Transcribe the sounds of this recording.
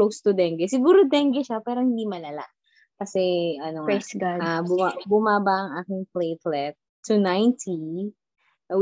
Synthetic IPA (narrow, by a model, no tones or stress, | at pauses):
lost̪ʊd̪ɛŋɡɛsɪɡuːɾod̪ɛŋɡɛʃapɛːɾohɪnd̪imɐlɐla̰ | kɐsɛʔɐnoɛsɡadabʊabʊmaːbɐʔɐŋʔaːkɪŋplejt̪lɛt̪ː | unajnt̪ʰi | ɐ